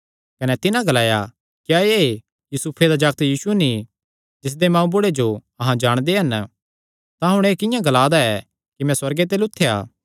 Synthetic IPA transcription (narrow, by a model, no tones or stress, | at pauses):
kɐnɛt̪ɪnãɡɐlaːja̰ | kjae | jusuːpʰed̪ad͡ʒɐɡt̪jiːsueni | d͡ʒɪs̬d̪emãːũbʊɽed͡ʒo | ɐɦãd͡ʒaːɽ̃d̪eɦɐn | t̪ãɦʊɽ̃eːkɪ̃jãɡɐlaːd̪aɛ | kimɛ̃swɐɾɡet̪̬eːlʊt̪ʰːeja̰ː